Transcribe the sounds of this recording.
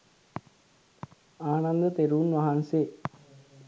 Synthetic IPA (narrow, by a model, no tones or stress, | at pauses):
aːnɐnd̪ət̪eɾuːnʋɐɦanse